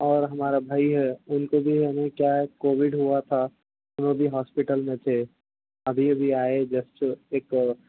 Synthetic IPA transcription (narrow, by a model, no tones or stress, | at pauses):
ɔːɾɦɐmaːɾabʱaːiɦɛʊnkobʱiɦɛnekjakoːʋɪɖɦuat̪ʰa | ʊnõbʱiɦɔːspɪʈəlmẽt̪ʰe | ɐbʱibʱiaːed͡ʒɐsʈeːk